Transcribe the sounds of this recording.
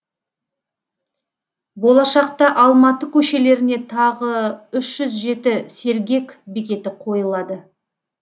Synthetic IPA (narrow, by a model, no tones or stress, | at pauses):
bo̞lˠɑʃɑqt̪ɑʔɑlˠmɑt̪əkʲʰɵʃe̞le̞ɾɪne̞t̪ʰɑʁəʏʃʒ̥ʏzʒe̞t̪ɪse̞ɾɡʲe̞kʲbekʲe̞t̪ɪqʰo̞jəlˠɑd̪ə